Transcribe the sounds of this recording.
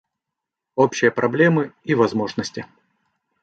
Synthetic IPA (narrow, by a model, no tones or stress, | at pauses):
opɕːɪjəpɾɐblʲemɨivɐzmo̞ʐnəsʲtʲɪ